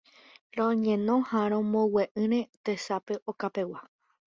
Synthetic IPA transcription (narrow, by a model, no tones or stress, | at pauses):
ɾõɲẽ̞nõhaɾ̃õmõweʔɨ̃ɾ̃ẽt̪e̞sape̞ʔokape̞wa